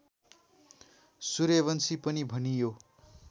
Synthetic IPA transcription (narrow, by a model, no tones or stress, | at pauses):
suɾeβʌnsipʌnibʱʌnijo